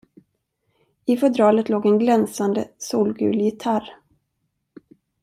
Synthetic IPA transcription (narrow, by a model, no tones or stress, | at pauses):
ɪfɛd̪ɾɑːlət̪loːɡɛnɡlɛnsand̪əsuːlɡʉ̰ːljɪt̪ʰaɾ